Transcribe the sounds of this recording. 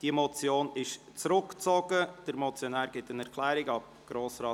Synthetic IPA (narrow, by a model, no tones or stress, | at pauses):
d̥imɔt͡sjoːnɪʃ | t͡sɾʊkt͡sɔɡ̥əd̥əɾmɔt͡sjɔnæːɾɡ̥ɪtənɛɾkʰlɛːɾɪɡɑb̚ | ɡ̥ɾoːsɾɑː